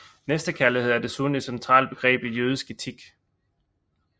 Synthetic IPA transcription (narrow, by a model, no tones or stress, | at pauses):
nesd̥əkʰælihe̝ð̞̰ˠæɐd̥e̝suni̥sent͡sʰʁɑ̰̈ːlb̥e̝ɡ̥ʁɛ̰ːb̥ijøːð̞ˠisɡ̥e̝t͡sʰiɡ̥